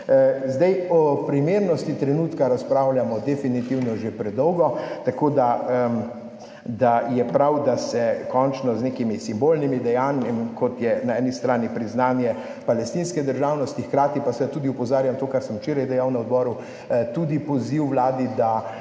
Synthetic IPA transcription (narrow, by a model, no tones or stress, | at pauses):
zd̪ɛjɔpɾimeɾnɔst̪it̪ɾɛnuːt̪kaɾaspɾawljamɔd̪ɛfinit̪iwnɔʒepɾɛd̪ɔwɡɔt̪akoːd̪a | d̪ajɛpɾawd̪asɛkɔnt͡ʃnɔznekimisimbolnimid̪ɛjaːnjɛmikɔt̪jɛnaɛːnist̪ɾaːnipɾiznaːnjɛ | palɛst̪inskɛd̪əɾʒaːwnɔst̪ixkɾaːt̪ipasɛt̪uːd̪iupɔzaːɾjamt̪oːkaɾsəmt͡ʃeːɾajd̪ɛjawnaɔd̪bɔːɾu | t̪ud̪ipɔziwʋlaːd̪id̪a